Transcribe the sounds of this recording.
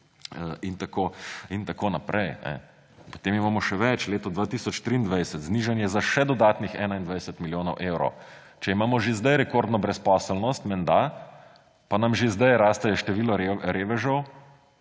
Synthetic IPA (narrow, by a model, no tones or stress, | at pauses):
əint̪akoint̪akoːnapɾʔɛjnɛ̰ | pɔ̥t̪eːmimaːmɔʃɛʋɛt͡ʃleːt̪ɔd̪ʋat̪isɔt͡ʃt̪ɾiːnd̪ʋajsət̪zniʒanjɛzaʃɛd̪ɔd̪aːt̪nixɛːnaind̪ʋajsət̪miljoːnɔwʔewɾɔ̰w | t͡ʃɛimaːmɔʒezd̪ajɾɛkoɾd̪nɔbɾɛspɔsəlnɔst̪mɛnd̪a | panamʒezd̪ajɾaːst̪ajɛʃt̪ɛʋiːlɔɾɾeːʋɛʒɔw